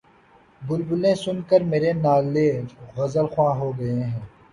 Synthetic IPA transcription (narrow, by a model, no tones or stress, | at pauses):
bʊlbʊlẽsʊnkəɾmeːɾenaːleːɣɐzəlxwãːɦoːɡɐeɦɛ̃ː